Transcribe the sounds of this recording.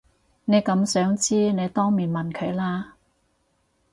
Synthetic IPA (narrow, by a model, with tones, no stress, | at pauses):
ne˨˧jkɐ˨˥msœː˨˥ŋt͡siː˥ne˨˧jt̪ɔː˥ŋmiː˨˩nmɐ˨nkʰɵ˨˧ɥlaː˥